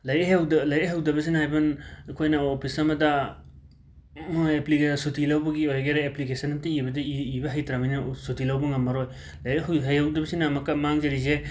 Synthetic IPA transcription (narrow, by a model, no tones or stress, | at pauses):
lɐjeɦewdɐlɐjeɦawdɐbɐs̬inɦajbɐnɐkʰojnɐopʰisɐmɐdɐ | mojeplikesutʰilawbɐɡiojɡeɾaeplikesʰɐnɐmtiibɐdɐiibɐɦajtɾamajnɐsutʰilawbɐŋɐmːɐɾoj | lajeɦɦajhawdɐbɐsinamɐkːɐmaŋzɐɾize